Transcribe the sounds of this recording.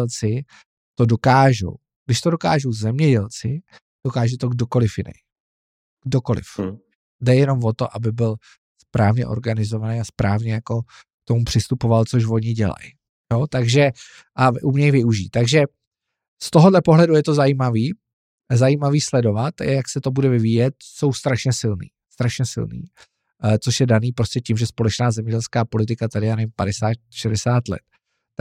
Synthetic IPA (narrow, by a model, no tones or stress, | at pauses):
lt͡sɪ | t̪o̞do̞kaːʒo̰w | ɡdɪʃt̪o̞doka̰ːʒowzɛmɲɛɟɛlt͡sɪ | d̥o̞kaːʒɛt̪o̞ɡdo̞ko̞lɪfjɪnɛ̰j | ɡ̥doko̞lɪ̰f | dɛjɛno̞mvo̞t̪o̞̰ʔabɪbɪl | spɾaːvɲɛ̰ʔo̞̰ɾɡanɪzo̞vanejaspɾaːvɲɛjako̞ | k̚t̪o̞mupr̥ɪst̪upo̞valt͡soʃ̬vo̞ɲɪɟɛ̰la̰j | jot̪aɡʒɛ | ʔaʔumɲɛjvɪuʒiːt̪ːaɡʒɛ | st̪o̞ɦo̞dlɛpoɦlɛdujɛt̪o̞zajiːmaviː | zajiːmaviːslɛdo̞vat̪jaksɛt̪obudɛvɪviːjɛt̪̚so̞wst̪ɾaʃɲɛsɪlnḭːst̪ɾaʃɲɛsɪ̰lnḭː | t͡so̞ʃjɛdaniːpɾo̞scɛcimʒɛspo̞lɛt͡ʃnaːzɛmɲɛɟɛlskaːpo̞lɪt̪ɪkat̪adɪjanɛmpadɛsaːt̪ʃɛdɛsaːt̪lɛ̰t̪̚